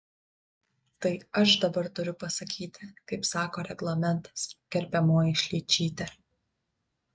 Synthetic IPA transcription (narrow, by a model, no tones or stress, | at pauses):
t̪ɐɪɐʃd̪ɐbɐɾt̪ʊɾʲʊpɐsɐkʲiːt̪ʲɪkɐɪpsɑːkoːɾʲɛɡlˠɐmʲɛnt̪ɐ̥skʲɛɾʲpʲɛmoːjɪʃʲlʲiːt͡ʃʲiːt̪ʲɛ